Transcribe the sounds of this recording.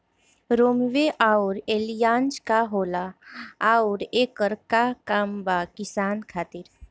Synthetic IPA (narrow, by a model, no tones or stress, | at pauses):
ɾoːmʋeʔaːʊɾeːlijãːnd͡ʒkaɦoːlaaːʊɾeːkəɾkakaːmbakɪsaːnkʰaːt̪ɪɾ